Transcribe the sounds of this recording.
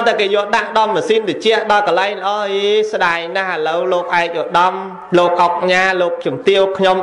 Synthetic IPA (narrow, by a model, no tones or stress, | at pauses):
t̪akeːjɔ̆əlɗaʔɗɑmmasiːnt̪et͡ɕɛ̆əʔɗɑlkɑlaɛŋlə̆ʔɑːeːsɗaɛŋnahʔələwloːk̚ʔaɛk̚ʔoəɗɑm | loːk̚ʔɑk̚ɲaːloːk̚t͡ɕumt̪iəwkʰɲom